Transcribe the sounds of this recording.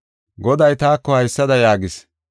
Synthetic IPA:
ɡɔd̪ɐjt̪aːkːɔhɐjsːɐd̪ɐjaːɡɪs

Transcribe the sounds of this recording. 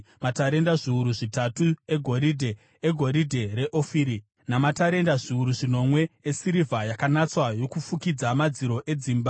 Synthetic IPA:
mataɾe̞ndaʐiuɾuʐitatue̞ɡʱo̞ɾidʱe | eɡʱo̞ɾidʱe̞ɾe̞ʔofiɾi | namataɾe̞ndaʐiuɾuʐino̞mwe̞esiɾivʱajakanat͡swajo̞kufukid͡zamad͡ziɾo̞ʔe̞d͡zimba

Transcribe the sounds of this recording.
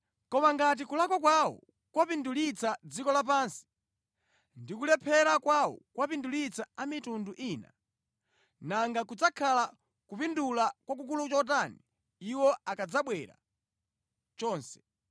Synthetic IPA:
kɔmaŋɡat̬ikulakɔk̬wawɔ̰ | kwapindulit͡sʰad͡zikɔlap̬aːnsi̥ | ndikulɛpʰɛɾakwawɔ̰kwapindulit͡sʰaamitunduʔina̰ | naŋɡakud͡zakʰala | kupindulakwak̬uk̬ulut͡ʃɔt̬aniː | wɔakad͡zaɓwɛɾa̰ | t͡ʃɔːnsɛ̥

